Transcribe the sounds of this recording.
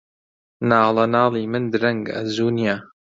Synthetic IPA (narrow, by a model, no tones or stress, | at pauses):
nɑːlɐnɑːlˠiːmɨnd̪ɨɾɐŋɡɐ̰zuːnija